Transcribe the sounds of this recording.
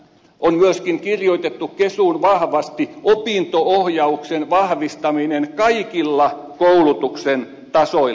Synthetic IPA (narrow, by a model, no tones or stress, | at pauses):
ʔonmyøskiŋkirjoit̪et̪ːukkesunʋɑhʋɑst̪iopiˑnt̪oohjɑuksenʋɑhʋist̪ɑminenkɑikilːɑkoulut̪uksen | t̪ɑsoi